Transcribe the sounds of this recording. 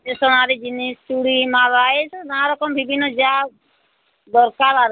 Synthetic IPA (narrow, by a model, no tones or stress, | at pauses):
d͡ʒesɔnaɾid͡ʒinist͡ʃuɽimalaːesnãɾɔkɔmbʱibʱinɔd͡ʒa | d̪ɔɾkaɾaɾ